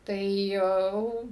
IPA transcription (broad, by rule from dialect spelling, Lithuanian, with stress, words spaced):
tɐɪ ˈjɛʊ